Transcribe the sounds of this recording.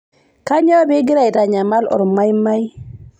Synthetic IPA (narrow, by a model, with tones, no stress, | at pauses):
ka˦ɲɔ˦be˦ɡi˦ɾa˨jta˨ɲa˨ma˦lɔ̰˨ɾma˦jma˦j